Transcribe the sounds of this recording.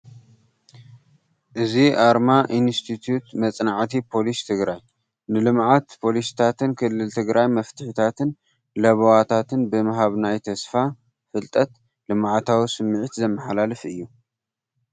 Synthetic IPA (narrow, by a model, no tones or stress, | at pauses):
ʔɨziʔaɾmaʔinst̪ʰit̪ʰjut̪mɐt͡sʼnaʕt̪ʰipʰo̞list̪ʰɨɡɾaj | nɨlɨmʕat̪pʰo̞list̪ʰat̪ʰɨnkʰɨlːɨlt̪ʰɨɡɾajmɐft̪ʰɨħit̪ʰat̪ɨn | lɐβowat̪ʰat̪ɨnbɨmɨɦaβnajt̪ʰɐsfa | fɨlt̪ʼɐt̪ | lɨmʕat̪ʰawisɨmːɨʕit̪zɐmːɨħalalɐfʔɨjːu